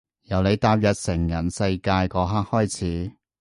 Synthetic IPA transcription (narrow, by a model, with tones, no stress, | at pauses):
jɐ˨˩wne˨˧jt̪aː˧˥p̚jɐ˨t̚sɪ˨˩ŋjɐ˨˩nsɐ˧jkaː˧jkɔː˨˧ɦaː˥k̚hɔː˥jt͡sʰiː˨˥